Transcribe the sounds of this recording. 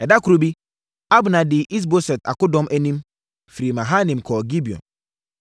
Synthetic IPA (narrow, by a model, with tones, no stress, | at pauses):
ɛ˨da˦kɾu˦bi˦ | a˦bna˨di˨ʔi˦s̬bo˦sɛ˨ta̰˨kʊ˦dɔ˦mʔe˦nĩ˦m | fɾi˨ma˨ɦa˦nĩ˨mkʰɔː˨ɡi˦bi˨ɔ̰˨n